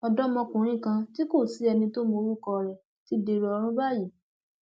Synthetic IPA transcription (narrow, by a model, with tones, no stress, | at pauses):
ɔ˧dɔ˦mɔ̃˧kũ˨ɾ̃ĩ˦˨kã˧ti˦ko˦˨si˨˦ɛ˧nĩ˧to˦mo˧ɾu˦˨kɔ˧ɾɛ˨ | ti˦de˧ɾe˧ɔ˧ɾ̃ũ˦ba˦˨ji˨